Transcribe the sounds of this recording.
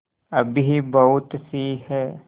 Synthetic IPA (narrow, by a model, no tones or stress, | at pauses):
ɐbʱiɦibɐɦʊt̪siɦɛː